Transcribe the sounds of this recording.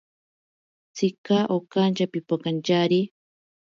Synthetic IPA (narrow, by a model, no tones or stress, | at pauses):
t͡sikaʔokant͡ʃapipakant͡ʃaɾi